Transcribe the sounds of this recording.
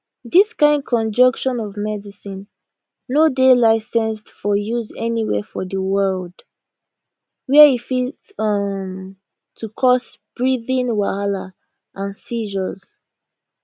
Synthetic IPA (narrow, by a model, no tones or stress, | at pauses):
ðiskãɪ̃nd̚kʰɔ̃nd͡ʒʌ̃ŋkʃɔ̃nɔvmɛdisĩnː | odelaɪsɛ̃nstfɔjuzɛniwɛ̰fɔðəwɜld̥ | wɛifi | m | tʰukʰɔsb̥ɹiðĩnwala | ʔãnsiʒəz